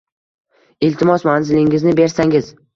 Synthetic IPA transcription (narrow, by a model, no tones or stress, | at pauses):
ɪlt̪ʰɪmɒsmanzɪlɪŋɪznɪbe̞ɾsaŋɪz̥